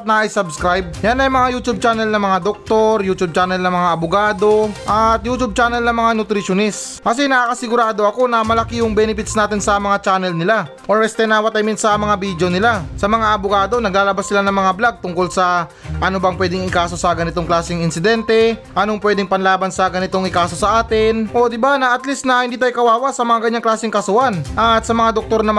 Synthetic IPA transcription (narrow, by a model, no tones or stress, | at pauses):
t̪̚nɐjsɐbskɾajb̚janɐjmɐŋajuːt̪ub̚t͡ʃanɛlnɐmɐŋad̪ok̚t̪o̞ɾjuːt̪ub̚t͡ʃanɛlnɐmɐŋaʔɐbʊɡaːd̪o̞ʔɐt̪̚juːt͡ʃ̪ub̚t͡ʃaːnɛlnɐmɐŋanʊt̪ɾɪʃonɛs | kɐs̬ɛnɐakɐsɪɡʊɾaːd̪o̞ɐko̞nɐmɐlɐkijʊŋbɛːnɪpɪt̪snaːt̪ɪnsɐmɐŋat͡ʃaːnɛlnɪla | ʔoɹɛst̪ɛnaːwɐt̪ɐjmɛnt̪sɐmɐŋabid̪jo̞nɪlasɐmɐŋaʔɐboɡaːd̪o̞nɐɡlaːlɐbasːɪlanɐŋmɐŋablaɡ̚t̪ʊŋko̞lsɐ | ʔɐnobɐŋpwɛːd̪ɪŋɪkaːso̞sɐɡɐnɪt̪oŋklaːsɪŋɪnsɪd̪ɛnt̪ɛʔɐnoŋpwɛːd̪ɪŋpɐnlaːbɐnsɐɡɐnɪt̪o̞ŋɪkaːso̞sɐʔaːt̪ɪnʔo̞d̪ɪbanɐʔɐt̪lisnɐhɪnd̪iːt̪ajkɐwaːwɐsɐmɐŋakɐɲaŋklaːsɪŋkɐsʊhanʔɐt̪sɐmɐŋad̪ok̚t̪o̞ɾnɐm